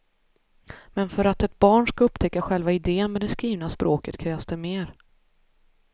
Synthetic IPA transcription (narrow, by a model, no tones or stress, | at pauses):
mɛnfœɾat̪ɛt̪̚bɑːɳʂkaɵpt̪ʰɛkːaɧɛlvaɪd̪eːənmɛd̪ɛskɾiːvnaspɾʔoːkət̪kʰɾɛːvsd̪ɛmeːɾ